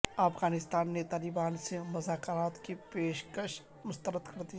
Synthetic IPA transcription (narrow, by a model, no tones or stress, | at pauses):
ɐfɡaːnɪst̪aːnːet̪aːlɪbaːnsemʊzaːkɾaːt̪kipeːʃkəʃ | mʊst̪əɾəd̪kɐɾd̪i